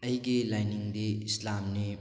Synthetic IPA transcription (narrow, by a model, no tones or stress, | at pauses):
ɐjɡilajniŋdiːslamni